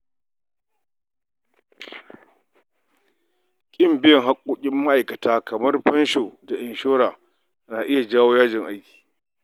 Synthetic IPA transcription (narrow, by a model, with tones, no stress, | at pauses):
kʲʼɪ˦˨mbɪ˦jɐ˨ŋɦa˦kʷʼːoː˦kʲʼɪ˦mːa˦ʔa˨jkɐ˨taː˦kʰɐ˨mɐ˦rɸɐ˦nʃoː˨da˨ʔɪ˨nʃoː˦ɾaː˨ | naː˨ʔɪ˦ja˨d͡ʒaː˦woː˦jaː˦d͡ʒɪ˨ŋʔa˦jkʲi̥ː˨